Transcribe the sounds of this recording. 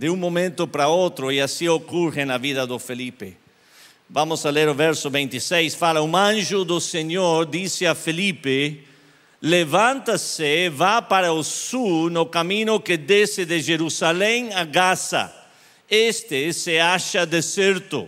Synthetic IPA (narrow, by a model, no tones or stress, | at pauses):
d̪ɪũŋmomẽnt̪ʊpɾɐot̪ɾʊɪasiokurɪnɐviðɐd̪ʊfelipɪ̰ | vamʊsaleɾʊvɛɾsʊβĩnt̪isejsfalɐũãnʒʊd̪ʊseɲoɾd̪isɪafelipɪ | levãnt̪ɐsɪvapaɾɐʊsunʊkamĩnʊkɪd̪esɪðɪʒeɾusalɛ̃ŋaɣasɐ̰ | est̪ɪsɪaʃɐd̪esɛɾt̪ʊ̰